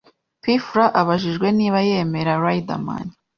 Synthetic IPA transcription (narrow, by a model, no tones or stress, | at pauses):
pifɾaʔaβaʒiʒɡwe̞niːβaje̞me̞ɾaɾajda̰ma̰ni